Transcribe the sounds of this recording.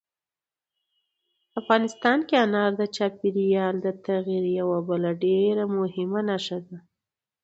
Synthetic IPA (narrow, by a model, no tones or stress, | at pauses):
afɣɑnɪst̪ɑnkeanɑɾd̪ət͡ʃɑpiɾijɑld̪ət̪aɣiɾjawabəlaɖeɾamʊhɪmanaʃad̪a